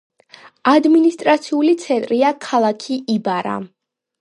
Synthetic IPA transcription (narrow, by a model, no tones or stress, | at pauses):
ad̪minist̪ʼɾat̪sʰiulit̪sʰɛnt̪ʼɾiakʰalˠakʰiʔibaɾa̰